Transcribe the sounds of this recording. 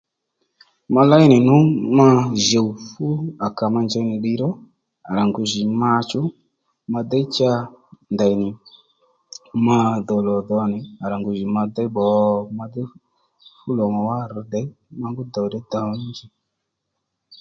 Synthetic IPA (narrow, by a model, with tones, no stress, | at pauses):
ma˧la˦i˦nɪ˨nʊ˦ma˧˦ʒe˨u˨fu˦a˨ka˨ma˧nd͡ʒɛ˧˦nɪ˨ɗi˧ɾɔ˦ | a˨ɾa˨ŋɡu˨ʒi˨ma˧t͡ʃʊ˦ | ma˧d̪ɛ˦i˦t͡ʃa˧nda˨jnɪ˨ | ma˧d̪ɔ˨lɔ˨dɔ˧˦nɪ˨a˨ɾa˨ŋɡu˨ʒi˨ma˧d̪ɛ˦ɓɔ˨ma˧d̪ɛ˦ | fu˦lɔ˨mɔ˨wa˦ɾdɛ˨˦ | ma˧ŋɡʊ˦d̪ɔ˨wdɛ˨˦d̪a˨˦nd͡ʒi˦